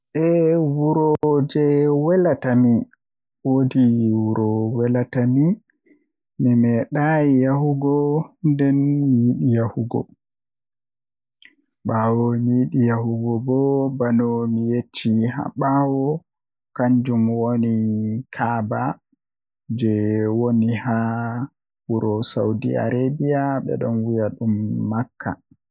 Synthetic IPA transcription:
ʔɛwuɾɔd͡ʒɛwɛlatami | wodiwuɾɔwɛlatami | mimɛɗajijahuɡɔndɛnmijiɗijahuɡɔ̰ | ɓawɔmijiɗijahuɡɔbɔbanɔmijet͡ʃːiɦa̰ɓawɔ | kaɲd͡ʒumwonikʰaba | d͡ʒɛwoniha | wuɾʔɔsawdḭa̰ɾebijaɓɛ̰ɗɔnwijaɗumːakʰːa̰

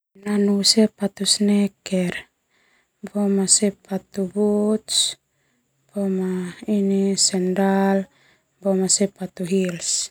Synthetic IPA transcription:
nanusepat̪usnekeɾ | bomasepat̪ubut̪s | b̥omainisɛndal | bomasepat̪uɦils

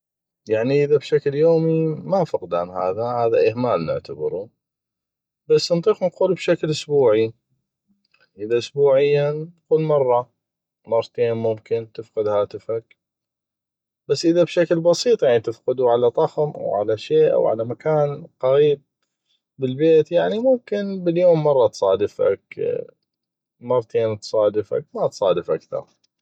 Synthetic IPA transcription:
jaʕniʔɪðabʃakljoːmimafʊqd̪aːnɦa̰ːðahaːðaʔɪhmaːlnɪ̰ʕt̪ʰabɪ̰ɾu | basːnt̪ˤiːqnquːlbʃaklʔʊsbuːʕi | ʔɪðaʔʊsbuːʕɪjːaquːlmɑrˤːɑ | mɑrˤːɑt̪eːnmʊmkɪnt̪ɪfqɨd̪haːt̪ɪfak̚ | b̥asːʔɪðabʃaklbɑsiːt̪ˤjaʕnit̪ɪfqɪd̪uʕalat̪ˤɑxmʔa̰wʕa̰laʃeːʔa̰wʕa̰lamakaːnqaɾiːb̚ː | ɪlbeːt̪jaʕnimʊmkɪnbɪljoːmːɑrˤːɑt̪sˤɑːd̪ɪfa̰k | mɑrˤːɑt̪ʰeːnt̪sˤɑːd̪ɪfa̰k̚mat̪sˤɑːd̪ɪfʔakθɑ̰ɾˤ

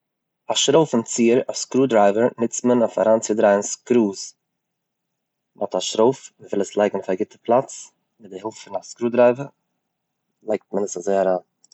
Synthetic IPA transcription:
aʃɾoʊfənt͡siːəɾaskɾuːdɾaɪvəɾnɪt͡stmənofa̰ɾaːnt͡sɪdɾaɪənskɾuːs | mɔ̰taʃɾoʊfməvɪlˠəslˠaɪɡŋ̩ʊfaɡɪtəpʰlˠat͡s | mɪt̚dɪhɛlˠftfɪnaskɾuːdɾaɪvə | lˠaɪk̚t̚mənəsazoɪaɾaːn

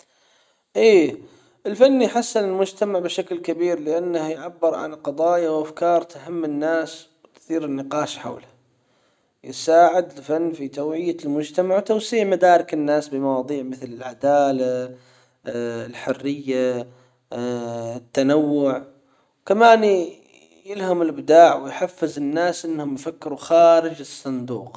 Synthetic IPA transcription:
ʔeː | ʔɪlfanːijħasːɪnɪlmʊd͡ʒt̪amaʕbɪʃaklkabiːɾlɪʔanːahjʕabːɪɾˤʕa̰nqɑd̪ˤɑːjawʔafkɑːɾˤaɦamːɪnːaːs | wt̪θiːɾɪnːɪqɑːʃħa̰wla | jɪsaːʕɪd̪ɪlfanːfit̪awʕɪjːalmʊd͡ʒt̪amaʕwt̪awsiːʕmad̪aːɾɪkɪnːaːsbɪmɑwɑːðˤiːʕmɪθlɪlʕad̪aːla | ɪlħʊrːɪjːa | ɪt̪ːanawːʊʕ | wkamaːn | jɪlhamɪlʔɪbd̪aːʕwɪjħafːɪzɪnːaːsʔɪnːhʊmjfakːɪɾuxaːɾɪd͡ʒɨsˤːɨnd̪ṵːq

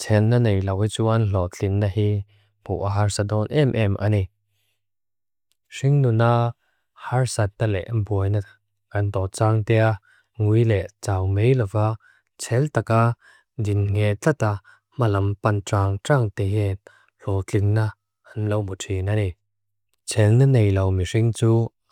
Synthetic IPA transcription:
t͡sʰɛnːanejlɐwit͡suʔɐnɬɔt͡ɬiŋnahi | b̥ṵʔaɦaɹsadɔnʔɛmʔɛmʔa̰ni | siŋnuna | haɹsɐt̪̚nalɛ̰ʔanbuəjna | kɐnt̪ɔt͡saːŋt̪ɛa | ŋujlɛʔt͡saːwmejlɐva | t͡sʰɛlt̪aka | dinŋɛʔt͡ɬɐt̪a | malɐmpɐntaːŋtaŋt̪ɛɦɛt | rɔt͡ɬiŋna | ʔɐnlowmutʰinani | t͡sʰɛlnɐnejlɐwmiʂiŋt͡suː

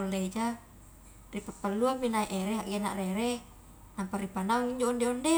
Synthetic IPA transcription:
olːeid͡ʒa | ripapːalːuabinaiʔeɾeɦaʔɡena̰ʔreɾe | namparipanauŋiɲd͡ʒoːndeɔnde

